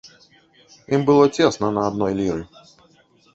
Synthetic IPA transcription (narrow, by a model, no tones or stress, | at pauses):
imbɨlˠətʲesnənɐɐd̪nojlʲiɾɨ